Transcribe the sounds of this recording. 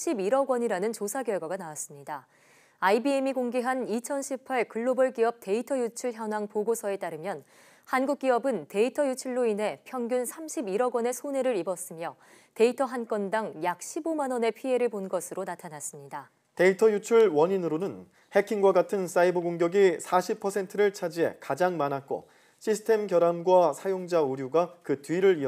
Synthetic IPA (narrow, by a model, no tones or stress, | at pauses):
ɕʰibiɾʌɡwʌɲiɾanɯnt͡ɕosʰaɡjʌɭɡwaɡanawas͈ɯmɲida | aibiemikoŋɡiɦanit͡ɕʰʌnɕʰipʰaɭkɯɭːobʌɭk͈iʌp̚te̞itʰʌjut͡ɕʰuɭçjʌnaŋpoɡosʰʌe̞t͈aɾɯmjʌn | hanɡuk͈̚iʌbɯnte̞itʰʌjut͡ɕʰuɭːoinɦe̞pʰjʌŋɡjunsʰamɕʰibiɾʌɡwʌne̞sʰoneɾɯɾibʌs͈ɯmjʌ | te̞itʰʌɦank͈wʌndaŋjak̚ɕ͈ʰibomanʌne̞pʰie̞ɾɯɭponɡʌsʰɯɾonatʰanas͈ɯmɲida | te̞itʰʌjut͡ɕʰuɭwʌɲinɯɾonɯn | he̞kʰiŋɡwaɡatʰɯns͈aibɯɡoŋɡjʌɡisʰaɕʰipʰʌsʰe̞ntʰɯɾɯɭt͡ɕʰad͡ʑie̞̰kad͡ʑaŋmanat̚k͈o̰ | ɕʰisʰɯ̥tʰe̞mkjʌɾamɡwasʰajoŋd͡ʑauɾjuɡakɯtɥiɾɯɾiʌ